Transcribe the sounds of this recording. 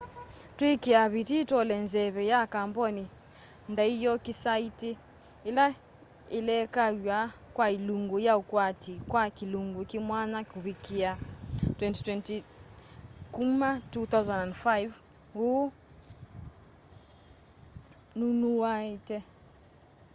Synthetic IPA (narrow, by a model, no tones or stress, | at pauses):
twikiaβititɔlɛnzɛβɛjakambɔni | ndaijɔkisaiti | ila | ilɛkajakwailuŋɡujaukwatikwakiluŋɡukimwanakuβikiatwɛnti̥twɛnti | kumatuθawzanandfajv | hu | nunuaitɛ